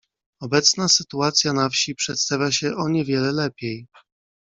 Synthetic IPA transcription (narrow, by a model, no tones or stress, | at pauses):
ɔbɛt̪snasɘt̪uat̪sʲjanafɕipʂɛt̪st̪avʲjaɕɛʔɔɲɛvʲjɛlɛlɛpʲjej